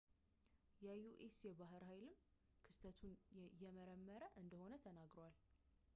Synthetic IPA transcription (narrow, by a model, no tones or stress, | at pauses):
jɛjuʔesjɛbaɦɨɾhajlɨm | kʰɨst̪ʰət̪ʰunjɛməɾəmːəɾəʔɨnd̪əho̞nət̪ʰənaɡɾəwal